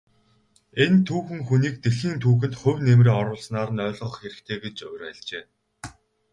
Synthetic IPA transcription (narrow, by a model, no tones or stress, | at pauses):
ent̪ʰuːxɘ̆ŋxuniːk̚t̪eɬiːnt̪ʰuːxɘ̆nt̪χɵwʲnemriːɔɾʊːɮsnaːɾə̆nœːɮʁə̆ɞ̆χxeɾɘ̆kt̪ʰeːɡet͡ɕɵwʲræɮt͡ɕeː